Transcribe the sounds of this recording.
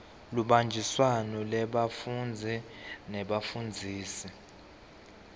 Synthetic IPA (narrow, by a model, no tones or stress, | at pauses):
luɓand͡ʒʱiswanɔlɛɓafund͡zʱinɛɓafund͡zʱiːsi